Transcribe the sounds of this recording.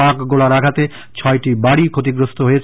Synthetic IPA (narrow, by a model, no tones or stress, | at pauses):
akɡolaɾakʰat̪e | t͡ɕʰɔeʈibaɽikʰot̪iɡɾost̪ʰoɦojet͡ɕʰ